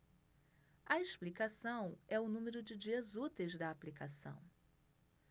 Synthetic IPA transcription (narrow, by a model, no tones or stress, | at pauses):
ɐeʃplikasɐ̃w̃ɛʊnũmeɾʊd͡ʒɪd͡ʒiɐzut̪ejzd̪ɐaplikasɐ̰̃w̃